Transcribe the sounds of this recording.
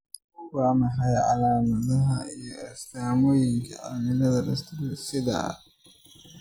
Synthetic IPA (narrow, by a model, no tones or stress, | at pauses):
wɑːmɐħɑjʕɑ̰laːmɐðɐɦɐijɔɐst̪aːmɔːjɪŋkʰɐʕaːmɪlɐðɐlɐst̪ʰɪɾsɪða̰ː